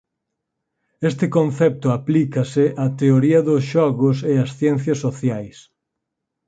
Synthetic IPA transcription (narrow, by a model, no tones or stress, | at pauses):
est̪ɪkonθɛp̚t̪ʊaplikɐsɪʔat̪eoɾiɐðʊsʃɔɣʊseɐsθjɛn̟θjɐsːoθjajs